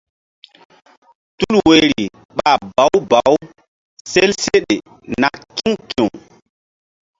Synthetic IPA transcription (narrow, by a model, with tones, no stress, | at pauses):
tu˦lwe˨ɾi˨ | ɓa˨ba˨˦wba˨w | se˦lse˦ɗe˨ | na˨kːi˦ŋkĩ˨ŋ